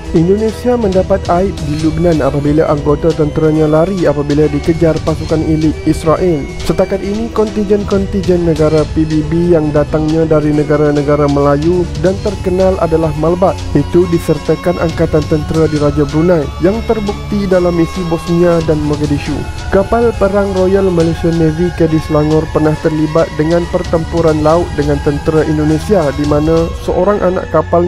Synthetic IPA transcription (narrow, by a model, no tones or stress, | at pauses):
ʔindonesiaməndapat̪aɪp̚dilub̚nanapabilaʔaŋɡot̪at̪ənt̪əɾaɲãlaɾiapabiladikəd͡ʒarpasukanilɪisɾaʔil | sət̪akat̪inikɔnt̪iɲd͡ʒɛnkɔnt̪ind͡ʒɛnːəɡaɾapibibijaŋdat̪aŋɲãdaɾinəɡaɾanəɡaɾaməlajudant̪ərkənalʔa̰dalahmalbat̪̚ʔit̪udisərt̪akanʔaŋkat̪ant̪ənt̪əɾadiɾad͡ʒabəɾunãjjaŋt̪ərbuk̚t̪idalamisibɔsniadanmaɡadiʃṵ | kapalpəɾaŋrojalmalesianəvikɛdislaŋɔrpərnaht̪ərlibat̪̚dəŋãnpərt̪əmpuɾanlaʊt̪̚dəŋãnt̪ənt̪əɾaʔindonẽsiadimãnãsəʔoɾaŋʔa̰na̰ʔkapal